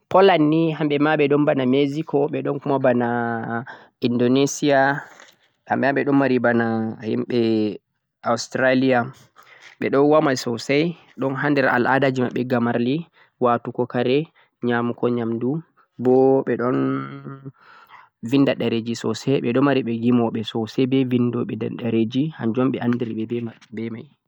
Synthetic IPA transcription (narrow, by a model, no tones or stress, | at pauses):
pɔlanːiɦamɓɛmaɓɛɗɔnbanamezikɔɓɛɗɔnkumabana | indonesia | ha̰mɓɛaɓɛɗɔmaɾibanahḭmɓɛ | awstɾalia | ɓɛɗɔnwamasɔsɛj | ɗɔnɦandɛɾa̰lʔa̰dad͡ʒima̰ɓɛɡamaɾli | watukɔkaɾɛ | ɲamukɔɲamdu | bɔɓɛɗɔn | vindaɗaɾed͡ʒisɔ̰sɛɓɛɗɔmaɾiɓɛɡimɔɓɛsɔsɛbɛvindɔɓɛɗaɾed͡ʒihand͡ʒɔmɓɛʔandiɾɓɛbɛ | bɛmaj